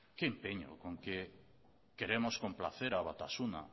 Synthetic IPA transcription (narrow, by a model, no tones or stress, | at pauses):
keːmpeɲo̰koŋke | keɾemoskompla̰θeɾaβat̪asuna̰